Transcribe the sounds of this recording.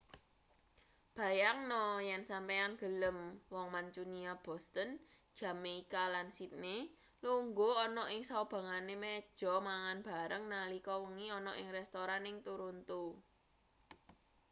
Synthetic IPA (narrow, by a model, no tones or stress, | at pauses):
b̥ä̤jaŋnɔjɛnsampeanɡ̥ə̤ləmwɔŋmaɲt͡ʃuniab̥ɔst̪ən | d̥ʒ̥ä̤meikalansit̪̚ne | luŋɡoɔnɔʔɪŋsab̥ä̤ŋanemɛd̥ʒ̥ɔ̤maŋanb̥a̤ɾəŋnalikɔwəŋiɔnɔʔɪŋɾɛst̪oɾanɪŋt̪uɾunt̪u